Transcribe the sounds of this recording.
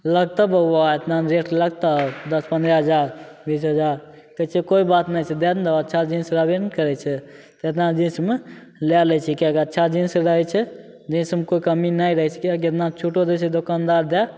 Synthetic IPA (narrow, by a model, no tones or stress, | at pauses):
ləɡ̚t̪əbəaet̪nanɾeʈləɡ̚t̪əd̪əspə̃nd̪ɾəɦəd͡ʒaɾbisɦəd͡ʒaɾ | kət͡ʃʰekoibat̪najt͡ʃʰɛd̪ɛnd̪eətːʃʰad͡ʒĩnsɾəbenkəɾɛt͡ʃʰɛt̪et̪nad͡ʒĩsme | lɛlɛt͡ʃʰɛkikətːʃʰad͡ʒĩseɾəɦɛt͡ʃʰɛ | d͡ʒĩsmekoikəminajɾəɦɛt͡ʃʰɛ̥kik̬et̪nat͡ʃʰuʈod̪esʰɛd̪okand̪aɾd̪ɛ